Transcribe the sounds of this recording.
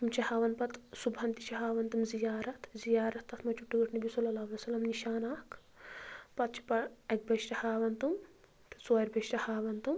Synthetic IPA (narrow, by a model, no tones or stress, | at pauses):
umt͡ʃʰɐhaːʋɐnpɐt̪subɐnt̪i̥ʃɐɦaːʋɐnt̪umzijaːɾɐt̪zijaːɾɐt̪ːɐt̪ʰmɐt͡ʃuʈːuɡɐʈnɐbʱisɐlːɐlaːʋɐlesɐlːɐmniʃaːnaːk | pɐt̪̚t͡ʃʰi̥pɐɐk̚bɐʃɾɐhaːʋɐnt̪um | t̪sɐːjɐɾbɐʃɾɐhaːʋɐnt̪um